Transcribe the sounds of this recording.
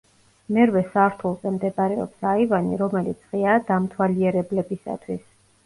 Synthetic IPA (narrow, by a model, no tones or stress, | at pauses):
mɛɾvɛsaɾt̪ʰulˠzɛmd̪ɛbaɾɛɔ̰psaivanḭɾɔmɛlḭt̪sʰʁiad̪amt̪ʰwaliɛɾɛblɛbisa̰t̪ʰwis